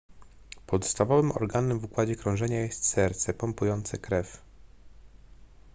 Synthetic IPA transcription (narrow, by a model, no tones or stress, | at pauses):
pɔt̪st̪avɔvɘmɔ̰ɾɡanːɛmvukwad͡ʑɛkɾɔ̃ʐɛɲajɛst̪sɛɾt̪sɛpɔmpujɔnt̪sɛkɾɛf